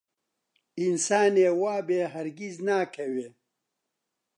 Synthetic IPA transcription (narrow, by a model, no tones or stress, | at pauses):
insaːneːwaːbeːɦɐɾɡiznaːkʰɐweː